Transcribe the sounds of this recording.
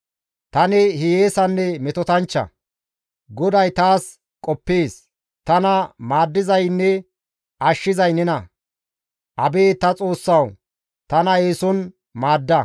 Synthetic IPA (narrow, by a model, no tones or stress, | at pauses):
t̪ɐnɪhɪjeːsɐnːɛmɛt̪ɔt̪ɐnt͡ʃːɐ̰ | ɡɔd̪ɐjt̪aːs | kʼɔpːeːs | t̪ɐnɐmaːd̪ːɪzɐjnːɛ | ʔɐʃːɪzɐjnɛnɐ | ʔɐbeːt̪ɐt͡sʼo̞ːsːɐw | t̪ɐnɐeːsɔn | maːd̪ːɐ